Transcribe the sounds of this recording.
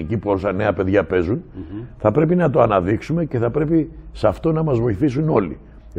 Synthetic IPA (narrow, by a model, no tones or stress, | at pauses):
icipuosɐne̞ɐpe̞ðʝɐpe̞zunθɐpɾe̞pinɐt̪o̞ɐnɐðiksume̞ce̞θɐpɾe̞pisɐft̪o̞nɐmɐzvo̞iθisuno̞li